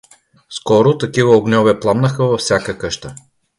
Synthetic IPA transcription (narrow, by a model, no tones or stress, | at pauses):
skɔɾʊt̪ɐkivəoɡnʲɔvɛplˠamnəxəvɐfsʲjakəkəʃt̪ə